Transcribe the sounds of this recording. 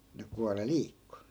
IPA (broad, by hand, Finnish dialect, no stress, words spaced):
ne kuɑle liːkːu